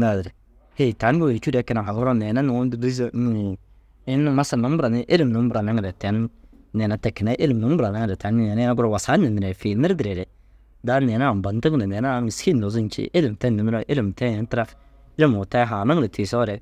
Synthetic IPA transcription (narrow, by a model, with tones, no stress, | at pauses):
na˨dɾɛ˨ | he˦˨ta˨˦n˦ɡo˦˨t͡ʃu˦dɛ˨˦kɪ˦na˨ha˨ɡʊ˦ɾo˦nɛ˨na˦nu˨˦di˦znu˨ | ɪ˦nːɪ˦ma˦sa˨nu˨m˦bʊ˦ɾa˨nɪ˦ʔe˦lɪ˨mnu˨˦m˦bʊ˨ɾa˨na˦ŋ˨ɾɛ˨tɛ˨˦nːɛ˨na˦tɛ˨kːɪ˨na˦ʔe˦lɪ˨mnu˨˦m˦bʊ˨ɾa˨na˦ŋ˨ɾɛ˨ta˨˦n˦nɛ˨na˦a˦ɡʊ˦ɾɔ˨wa˨sa˦nɪ˨nɪ˨ɾɛ˨fi˨lmɪ˦ɾdɪ˨ɾɛ˨ɾɛ˨ | da˦nɛ˨na˦˨m˨ba˨n˦ti˦ŋ˦nɛ˨nɛ˨na˦˨ŋ˨ski˦nːo˨zi˦n˦t͡ʃḭ˦ʔe˦lɪ˨m˨tɛ˦nːɪ˨m˦ɾo˦ʔe˦lɪ˨m˨tɛ˦e˨˦n˦tɪ˦ɾa˦ | lɪ˦mu˨ta˦ɦa˨na˦ŋ˦ɾe˨tʰi˨sɔ˦ɾɛ˨